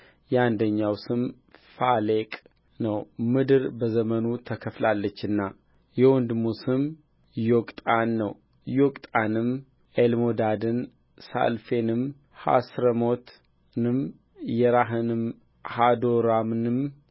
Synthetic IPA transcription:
jɛand̪əɲːawsɨm | falekʼ | nəwmɨd̪ɨɾbəzəmənut̪ʰəkʰəflalːət͡ʃːɨnːa | jɛwɔnd̪musɨm | jokʼt̪ʼanːə̰w | jokʼt̪ʼanɨm | ʔelmod̪ad̪ɨn | sa̰lfenɨm | ha̰sɾəmo̞t̪ | nɨm | jɛɾaɦɨnɨm | had̪oɾamnɨm

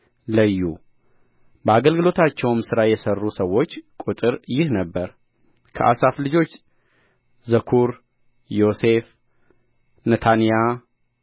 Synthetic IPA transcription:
ləjːu | bəaɡəlɡɨlo̞t̪ʰat͡ʃːɛwmsɨɾajɛsərːusəwːo̞t͡ʃːkʼut̪ʼɨɾjɪhnəbːəɾ | kʰə̰ʔasaflɨd͡ʒo̞t͡ʃː | zəkʰuɾ | jo̞se̞f | nət̪ʰanija

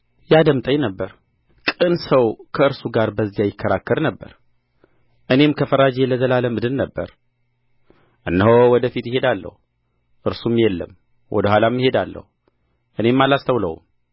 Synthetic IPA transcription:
jad̪əmt̪ʼəɲnəbːəɾ | kʼɨnsəwkʰəɨɾsuɡaɾbəzːijajɪkːəɾakːəɾnəbːə̰ɾ | ʔɨne̞mkʰəfəɾad͡ʒeləzəlaləmɨd̪ɨlnəbːə̰ɾ | ʔɨnːəɦowɔd̪əfit̪jɪɦe̞d̪alːə̰hu | ʔɨɾsumjɛlːə̰m | wʔɔ̰d̪əhalamːɪɦe̞d̪alːə̰hu | ʔɨne̞mːalast̪ʰəwlə̰w̰m

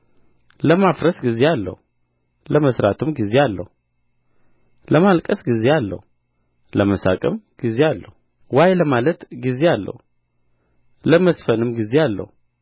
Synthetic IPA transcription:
ləmafɾəsɡize̞alːə̰hu | ləməsɾat̪ʰɨmɡize̞alːə̰hu | ləmalkʼəsɡize̞alːə̰hu | ləməsa̰kʼəmɡ̥izealːə̰hu | wajləmalət̪ɡize̞alːə̰hu | ləməsfənɨmɡize̞alːə̰hu

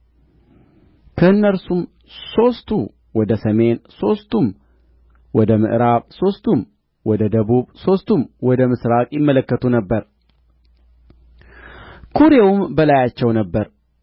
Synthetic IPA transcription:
kʰəɨnːəɾsum | so̞st̪ʰu | wɔd̪əsəme̞nso̞st̪ʰum | wɔd̪əmɨ̰ʔɾaβso̞st̪ʰum | wɔd̪əd̪əβuβso̞st̪ʰumwɔd̪əmɨsɾakʼjɪmːələkːət̪ʰunəbːəɾ | kʰuɾewumbəlajat͡ʃːɛwnəbːəɾ

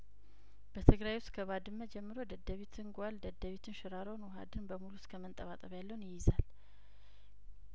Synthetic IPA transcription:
b̥ət̪ʰɨɡɾajwʊst̪kʰəβad̪ɨnmːəd͡ʒɛmːɨɾod̪əd̪ːəβit̪ʰɨnɡʷald̪əd̪əβit̪ʰɨnʃɪɾaɾonwɔɦa̰d̪ɨnbəmuluskʰəmənt̪ʼəβat̪ʼəβjalːəwunjɪjɪzal

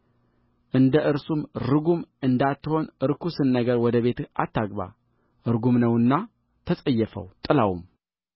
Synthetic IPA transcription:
ʔɨnd̪əʔɨɾsumɾɨɡumɨnd̪at̪ːɨho̞nɨɾkusɨnːəɡəɾwɔd̪əβe̞t̪ɨat̪ːaɡba̰ | ɨɾɡumnəwɨnːa | t̪ʰəsʼəjːɛfə̰wt̪ʼɨlawum

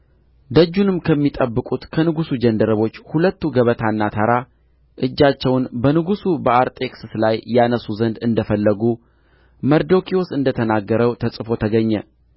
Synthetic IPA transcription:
d̪əd͡ʒːunɨmkʰəmːit̪ʼəbːɨkʼut̪kʰənɨɡusud͡ʒənd̪əɾəβo̞t͡ʃːhulət̪ːuɡəβət̪ʰanːat̪ʰaɾa | ʔɨd͡ʒːat͡ʃːɛwnbənɨɡusubəaɾt̪ʼe̞ksɨslajːanəsuzənd̪ɨnd̪əfəlːəɡu | məɾd̪okʰiwosɨnd̪ət̪ʰənaɡːəɾəwt̪ʰəsʼɨfo̞t̪ʰəɡəɲːɛ

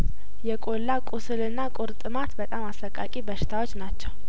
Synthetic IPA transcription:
jɛkʼolːakʼʊsɨlɨnːakʼʊɾt̪ʼɨmat̪bət̪ʼamasəkʼakʼibəʃɪ̥t̪ʰawo̞t͡ʃːnat͡ʃːɛw

